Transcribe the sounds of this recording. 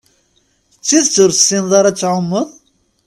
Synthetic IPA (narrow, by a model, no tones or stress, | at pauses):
t͡sːiðt͡sːʊɾsinðˤɑɾˤɑt͡sːʕʊmːəðˤ